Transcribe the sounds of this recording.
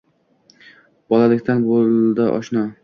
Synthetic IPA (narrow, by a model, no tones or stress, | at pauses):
b̥ɒlalɪkʲt̪ʰanbold̪ɪʔɒ̰ʃnɒ